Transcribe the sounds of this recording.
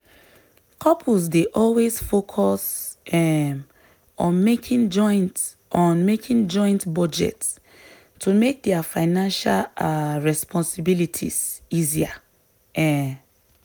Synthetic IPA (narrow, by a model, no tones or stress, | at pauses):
kʰɔpʰulzdeʔɔlwezfokʰɔsɛ | ɔ̃nmekʰĩnd͡ʒɔ̃ɪ̃nt | ɔ̃nmekʰĩŋd͡ʒɔ̃ɪ̃ntbɔd͡ʒɛ̰ts | tʰːumek̚dɛafaɪnãnʃalɹɛspʰɔ̃nsibilitʰḭzizia | ɛ